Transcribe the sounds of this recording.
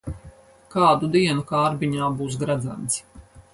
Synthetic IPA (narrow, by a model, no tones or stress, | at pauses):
kaːd̪ud̪iɛnukaːɾbiɲaːbuːs̬ɡɾad̪za̰nt̪s